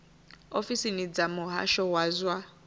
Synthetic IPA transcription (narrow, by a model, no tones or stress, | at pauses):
ofisinid͡zamʊɦa̰ʃɔwaːzwa